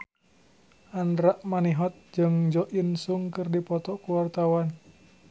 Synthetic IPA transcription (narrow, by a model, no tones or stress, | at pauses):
ʔanɾaʔmaniɦɔt̪̚d͡ʒɨŋd͡ʒɔʔinsuŋkɨrdipɔt̪ɔkuwart̪awan